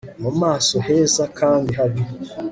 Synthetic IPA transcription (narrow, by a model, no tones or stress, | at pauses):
nomasoɦezakaːndiɦabi